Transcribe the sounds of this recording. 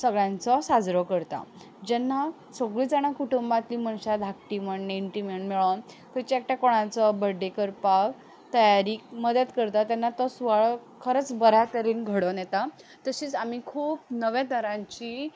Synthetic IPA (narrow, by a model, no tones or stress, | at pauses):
səɡɭjãnt͡sɔsad͡zɾɔkəɾt̪a̰ | d͡ʑɛnːa | səɡɭiːd͡zaɽ̃akuʈumbat̪liːmənɕad̪ʱak̚ʈiməɳːeiɳʈiməɳmiɭan | t̪ət͡ɕek̚ʈjakoɽ̃ãt͡sɔbəɖːekəɾpak | t̪əjaɾiːkməd̪ət̪kəɾt̪at̪janːat̪ɔsʋaɭkʰəɾət͡sbəɾat̪əɾiːnɡʱəɽɔnjet̪a | t̪əɕiːt͡samikʰuːpnəʋjãd̪əɾãɲt͡ɕi